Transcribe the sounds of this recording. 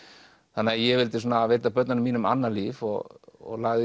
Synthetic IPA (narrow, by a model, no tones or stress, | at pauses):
θanːɪajɛvɪlt̪ɪsɔːnaveːt̪apœt̪nanʏmːiːnʏma̰nːalivɔ̰ɣɔ̰ɣlaɣðɪ